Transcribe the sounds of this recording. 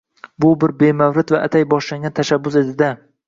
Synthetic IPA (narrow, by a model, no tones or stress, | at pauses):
bʊbɪɾbe̞mawɾɪt̪vaʔat̪ʰajbɒʃlaŋɡʲant̪ʰaʃabːʊsezɪd̪a